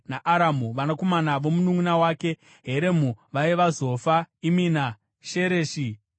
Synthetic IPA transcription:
naʔaɾamuʋanako̞manaʋo̞munuŋunawaːke̞ | ɦeɾe̞muʋaiʋazo̞faimiːna | ʃe̞ɾeːʃi

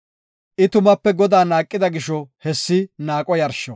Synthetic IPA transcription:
ʔɪt̪ʊmɐpːɛɡɔd̪aːnaːkʼːɪd̪ɐɡɪʃɔhɛsːɪnaːkʼɔjɐɾʃɔ

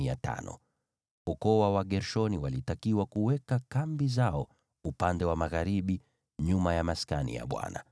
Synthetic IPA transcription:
iata̰nɔ̰ | ukɔwawaɠɛɾʃɔniwalitakiwakuwɛkakambizaɔ | upandɛwamaɣaɾiɓi | ɲumajamaskanḭja̰ɓwa̰na̰

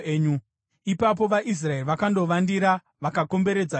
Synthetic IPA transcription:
eːɲu | ipap̬o̞ʋaʔis̬raerʋakando̞ʋandiɾa | ʋakako̞mbe̞ɾe̞d͡za

